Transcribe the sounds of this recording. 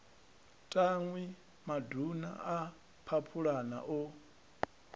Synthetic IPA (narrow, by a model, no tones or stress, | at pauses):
tʼaŋwi | maduna̰a | pʰapʰuɺana̰ʔɔ